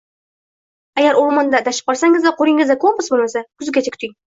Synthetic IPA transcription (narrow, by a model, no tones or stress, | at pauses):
aɡʲaɾoɾmɑnd̪ad̪aʃɪ̥p̚qɒɾsaŋɪzd̪aqoɾɪŋɪzd̪akʰompʊsbolˠmasakʰʊzɡʲat͡ʃʰakʰʲt̪ʰɪŋ